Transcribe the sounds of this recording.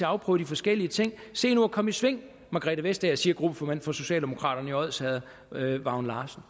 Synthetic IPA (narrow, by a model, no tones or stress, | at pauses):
e̝ɑ̈ʊpʰʁœ̰ʊd̥ifɒ̽sɡ̥el̰iət͡sʰe̝ŋ̰se̝̰ːnuɐkʰɒ̽məisʋe̝ŋ̰ | mɑɡ̥ʁɛ̰ːd̥æʋesd̥ææɐsiːɐɡ̥ʁub̥əfɒmænd̥fɒ̽so̝ɕɛ̰ːld̥e̝mo̝kʰʁɑ̰̈ːɾ̥ɐnəiɒð̰ˠsɛð̩ˠ | ʋɑ̈ʊnlɑːsn̩